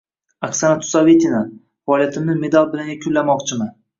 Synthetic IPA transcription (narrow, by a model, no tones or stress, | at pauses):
akʲsanat̪ʰʊ̥savet̪ʰina | fɒɒːlˠijat̪ʰɪmnɪme̞d̪alˠbɪlaŋʲakʲʰʊlːamɒqt͡ʃʰɪman